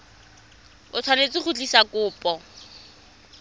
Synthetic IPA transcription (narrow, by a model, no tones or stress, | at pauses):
bʊt͡sʰwanet͡sɪχʊt͡ɬʼisakʊːpɔ